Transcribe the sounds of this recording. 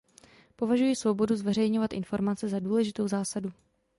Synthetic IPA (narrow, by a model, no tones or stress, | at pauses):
po̞vaʒujɪsvo̞bo̞duzvɛrɛjɲo̞vat̪ʔɪnfo̞ɾmat͡sɛzaduːlɛʒɪt̪o̞wzaːsadu